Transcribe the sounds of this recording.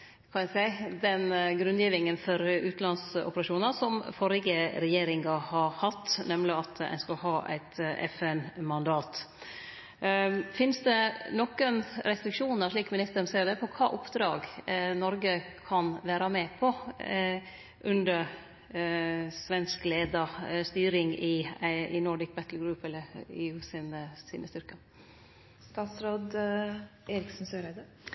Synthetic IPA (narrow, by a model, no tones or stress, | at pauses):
kʰɑnæsæɪd̪ɛnɡɾʉnjiːʋɪŋənfɔɾʉːt̪nlɑnsɔ̰pəɾɑʂuːnəɾsɔmfɔɾɪɡəɾɛjeːɾɪŋɑhɑɾhɑt̪ːnɛmlɪɑt̪æ̰ɪnskɑlɦɑːʔæ̰ɪt̪ɛ̰fɛnmɑnd̪ɑːt̪ | fɪnsd̪ɛnɔkːənɾɛst̪ɾɪkʂuːnəɾʂɭiːkmɪnɪst̪əɾnseːɾd̪ɛpʰɔkʰɑ̰ːʔʊpd̪ɾɑ̰ːɡnɔɾɡəkʰɑnʋæːɾɑmɛpʰɔ | ʔʉnd̪əɾ | sʋɛnskleːd̪ɑst̪yːɾɪŋɪɪnɔɖɪk̚bɛt̪l̩ɡɾʉːpɛlːəɾḛːʉːsinəsiːnə̰st̪ʏɾkə | st̪ɑːt̪sɾoːd̪ | eːɾɪksn̩søɾæd̪ə